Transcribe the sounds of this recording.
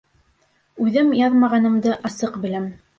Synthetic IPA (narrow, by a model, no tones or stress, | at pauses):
ʉðɘmjɑðmɑʁɑnɤ̆md̪ɤʔɑsɤqbɘ̆læm